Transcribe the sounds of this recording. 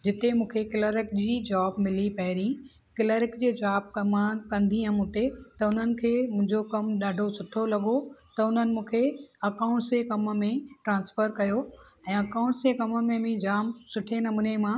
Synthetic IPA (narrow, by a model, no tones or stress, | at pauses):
d͡ʑɪt̪emũːkʰekɪləɾɪkd͡ʑiːd͡ʑaːb̚mɪlipɐɪɾĩ | kɪləɾɪkd͡ʑeːd͡ʑaːb̚kɐmãkɐ̃nd̪ʱiɦɐ̃mʊt̪et̪ɐʊn̤ənɪ̆kʰeːmʊ̃ɦɪ̃ɲd͡ʑokɐmɗaːɖʱosʊʈʰolɐɠot̪ɐʊn̤ənɪ̆mũːkʰeɐkãːʊ̃ɳʈsekɐmmẽʈɾãːnsfəɾkɐjo | ɛ̃ːɐkaːʊ̃ɳʈsekɐməmẽmĩd͡ʑaːmsʊʈʰenɐmunemãː